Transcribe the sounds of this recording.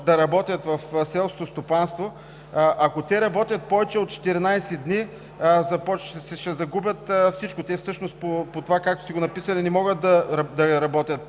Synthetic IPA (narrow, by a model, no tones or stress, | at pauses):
d̪ɐɾɐbɔt̪ʲɐt̪vɐfsɛlˠskot̪ost̪opanst̪vo | ʔɐkot̪ɛɾɐbɔt̪ʲɐt̪̚pɔvɛt͡ʃɛot̪̚t͡ʃɛ̥t̪ɛɾinajsɛd̪ni | zɐpɔt͡ʃsɛʃɛzɐɡubʲjət̪fsit͡ʃkʊt̪ɛfsɤʃnost̪̚popot̪ovakak̚t̪ʊ̥siɡonɐpisɐlʲinɛmɔɡət̪̚d̪ɐɾɐd̪ɐɾɐbɔt̪ʲɐt̪̚